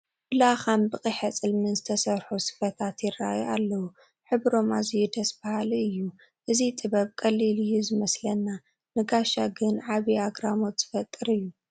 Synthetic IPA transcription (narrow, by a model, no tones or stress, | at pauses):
bɨlaxambɨkʼiħɐt͡sʼɨlmɨnzɨt̪ʰɐsɐɾħusɨ̥fɐt̪ʰat̪jɪrːa̰jalːɐwu | ħɨβɾo̞mazijud̪ɐsbahaliɨjːu | ʔɨzit̪ʼɨβɐβkʼɐlːilɨjːuzɨmɐslɐnːa | nɨɡaʃaɡɨnʕaβiaɡɾamo̞t̪z̥ɨ̥fɐt̪ʼːɨɾɨjːu